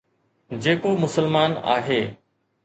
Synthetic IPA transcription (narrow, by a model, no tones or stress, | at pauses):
d͡ʑeːkomʊsəlmaːna̰ːɦeː